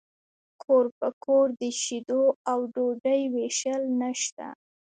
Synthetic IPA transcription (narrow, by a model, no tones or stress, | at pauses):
kʰoɾpəkʰoɾd̪əʃid̪oawɖoɖəjweʃəlnəʃt̪a̰